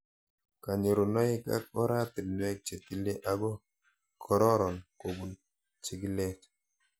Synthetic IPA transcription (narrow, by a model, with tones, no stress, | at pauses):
ka˨ɲo˨ɾo˨nɔ˦ɪ˦ka̰˦k̚ɔ˦ɾa˦t̪i˨lnwɛ˦k̚t͡ʃe˨t̪i˦le˦ʔa˦ɡɔ˦ | kʰɔ˨˦ɾɔ˦ɾɔ˨nko˨bu˨n | t͡ʃi˨˦ɡi˦lɛ˦t